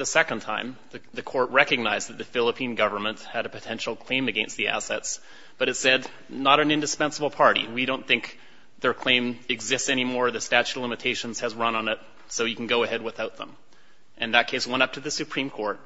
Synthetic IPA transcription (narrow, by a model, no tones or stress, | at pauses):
ðɨsɛkɨ̃ntʰãɪ̃mðɨðɨkʰɔɹt̚ɹɛkɨɡ̚naɪzðɨt̪̚ðɨfɪlˠəpʰĩnɡʌvə˞mə̃nʔhɨɾɨpʰɨtʰɛ̃nʃl̩ˠkʰl̥ẽɪ̃mɨɡɛ̃nst̪̚ðiæ̰sɛts | b̥ʌɾɨtsɛdⁿ | nəɾɨ̃nɪ̃ndɨspɛ̃nsəbl̩ˠpʰɑɹɾḭwiɾõʊ̃nθɪ̃ŋk | ðə˞kʰl̥ẽɪ̃mɨɡzɪstsɛñimɔɹðɨstæt͡ʃʉtˡlɪ̃mɨtʰeɪʃɨ̃nz̥ɨzɹʌ̃nə̃nɪt̚ | soʊjɨkʰn̩ɡoʊɨhɛd̚wəθaʊt̪̚ðə̰̃m | ʔɨ̃nðɨt̚kʰeɪswɛ̃ɾ̃ʌp̚tʰɨðɨsɨpʰɹ̥ĩmkʰɔɹt̚